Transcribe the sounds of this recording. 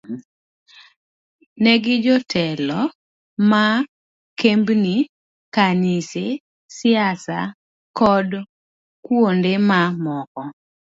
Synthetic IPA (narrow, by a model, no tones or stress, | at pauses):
nɛɡɪd͡ʒɔtʰɛlɔ | ma | kembni | kanise | sɪjasa̰ | kɔd | kwondemamɔkɔ